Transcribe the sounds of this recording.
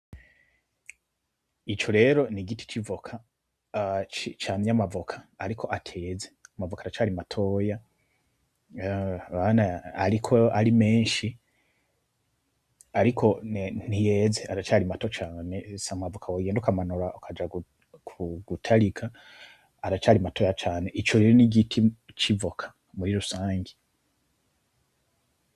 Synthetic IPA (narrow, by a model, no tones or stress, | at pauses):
it͡ʃo̞ɾe̞ːɾo̞niɡiti̥t͡ʃivokʰa | t͡ʃit͡ʃaːmɲamavokʰḁːɾikʰo̞ʔatʰe̞ːzeamavokaɾat͡ʃaːɾimatʰo̞ːja | βanaaɾikʰoaɾime̞ːnʃi | aɾikʰo̞nnijeːzeaɾat͡ʃaːɾimato̞t͡ʃaːne̞samavukʰawoɡeːndukamanuɾaʔokʰad͡ʒaɡu | kʰuɡutʰaɾikʰaː | ɾat͡ʃaːɾimato̞ːjat͡ʃaːne̞ʔit͡ʃoɾiɾeniɟitʰit͡ʃivokʰḁ | muɾiɾusaːŋɡi